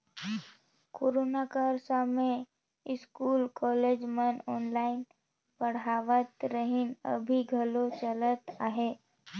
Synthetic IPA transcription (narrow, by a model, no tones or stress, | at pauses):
koːɾoːnakəɾsame | ɪskuːlkɔːleːd͡ʒmənɔːnlaːɪn | pəɽ̤aːʋət̪ɾəɦɪnə̰bʱiɡʱɐlot͡ʃələt̪aːɦeː